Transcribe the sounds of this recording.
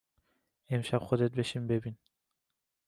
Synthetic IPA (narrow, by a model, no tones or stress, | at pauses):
emʃapχod̪et̪̚beʃimbebin